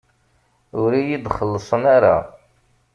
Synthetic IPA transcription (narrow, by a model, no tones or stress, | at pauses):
ʊɾijid̪χəlːəsˤənaɾa